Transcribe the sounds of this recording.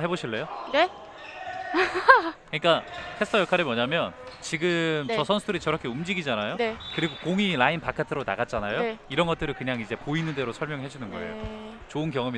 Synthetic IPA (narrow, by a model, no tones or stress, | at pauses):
ɦeboɕʰiɭːejone | kɯɲik͈akʰesʰɯtʰʌjʌkʰaɾemwʌɲamjʌnt͡ɕiɡɯmt͡ɕʌsʰʌnsʰudɯɾit͡ɕʌɾʌkʰe̞umd͡ʑiɡid͡ʑanajoekɯɾiɡokoŋiɾainpʰakʰatʰɯɾonaɡat̚t͡ɕ͈anajoiɾʌnɡʌt͈ɯɾɯkɯɲaŋid͡ʑe̞poinɯnde̞ɾosʰʌɭmjʌŋɦed͡ʑinɯnɡʌḛjo̰ | t͡ɕoɯnk̬jʌŋɯmi